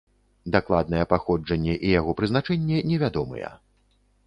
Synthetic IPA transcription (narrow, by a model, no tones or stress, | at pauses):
d̪aklˠad̪̚nɐjɛpaxɔd͡ʐɐnʲːɛʔijaɣɔpɾɨznat͡ʂɛnʲːɛnʲɛvʲad̪ɔmɨ̰jɛ̰